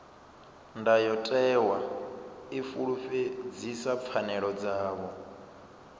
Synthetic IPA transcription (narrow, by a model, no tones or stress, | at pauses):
ndajɔtʼɛwa | ifuɺufed͡zisap̪fʰanɛɺɔd͡zaːβɔ